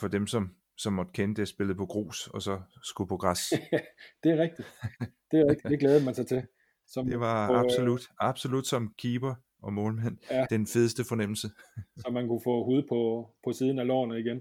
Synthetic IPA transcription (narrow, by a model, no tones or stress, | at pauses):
fɒ̽d̥emsɒ̽m | sɒ̽mːɒ̽d̥̚kʰenəd̥eæɐsb̥e̝lð̩ˠpʰɒ̽ɡ̥ʁo̝̰ːsɒ̽sɒ̽sɡ̥upʰɒ̽ɡ̥ʁɑs | d̥e̝æʁɛɡ̥̚d̥id̥d̥e̝ʁɛɡ̥̚d̥id̥e̝ɡ̥lɛːðˠmænsɑ̈ɪt͡sʰe̝ | sɒ̽md̥e̝ʋɑ̈ɑ̥so̝lud̥ɑ̈b̥so̝lud̥sɒ̽mkʰiːb̥ɐ | ɒ̽mɔ̽ːlmæn̰d̥enfe̝ðˠəsd̥əfɒ̽nem̰l̩səɒ̽mænkʰufɔ̰ːhuːð̩ˠpʰɒ̽pʰɒ̽siːð̞ˠn̩ælɒ̰ːnəiɡ̥en